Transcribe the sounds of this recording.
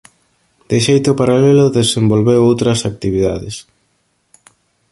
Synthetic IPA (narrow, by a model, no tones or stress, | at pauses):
d̪̥ɪʃejt̪ʊpaɾalelʊðesembolβewowt̪ɾɐsak̚t̪iβiða̰ðɪs